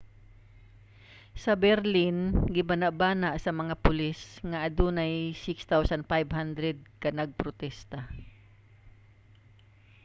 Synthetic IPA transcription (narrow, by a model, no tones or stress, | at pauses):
sɐbɛɾlɪnɡɪbɐnaʔbaːnaʔsɐmɐŋapʊlɪsŋaʔːd̪unajsɪkst̪awsanfajbɦand̪ɾɛd̪̚kɐnɐɡ̚pɾʊt̪ɛst̪a